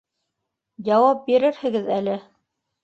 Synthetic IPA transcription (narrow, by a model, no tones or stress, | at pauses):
jɑwɑp̚biɾɘɾhɘ̆ɡɘðælɘ